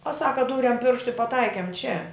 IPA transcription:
oː ˈsɑːkɐ ˈduːrʲɛm ˈpʲɪrʃtʊ ɪ pɐˈtɐɪkʲɛm t͡ʃʲɛ

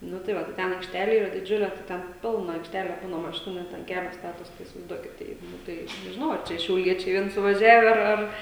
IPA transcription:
ˈnʊ tɐɪ ˈʋɐ tɐɪ ˈtʲɛn ɐɪkʃʲˈtʲæːlʲɛ ˈiːrɐ dʲɪˈd͡ʒʲʊlʲɛ tɐɪ ˈtʲɛn ˈpʲɪlˠnɐ ɐɪkʃʲˈtʲæːlʲɛ ˈbuːnɐ mɐˈʃʲɪnʊ ˈnʲɛt ɐn ˈkʲæːlʲoː ˈstɑːtoːs tɐɪ ɪsʲɪʋɐɪzˈduɔkʲɪt ˈtɐɪ ˈnʊ tɐɪ nʲɛʒʲɪˈnɐʊ ɐr ˈt͡ʃʲɛ ʃʲɛʊˈlʲiɛt͡ʃʲɛɪ ˈʋʲiɛn sʊʋɐˈʒʲæːʋʲɛ ɐr ˈɐr

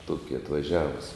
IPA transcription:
ˈtuɔkʲɪ ɐtʋɐˈʒʲæːʋʊs

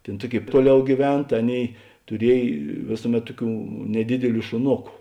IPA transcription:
ˈtʲeːn ˈtuɔˌkʲeːɪ ˈtuɔˌlʲɛʊ ɡʲiːˈʋʲɛn tɐ ˈɑːˌnʲeːɪ tʊˈrʲiɛj ˈʋʲeːsʊˌmʲɛt ˈtʊˌkʲuː nʲɛˈdʲɪdʲɪˌlʲuː ʃʊˈnoːkʊ

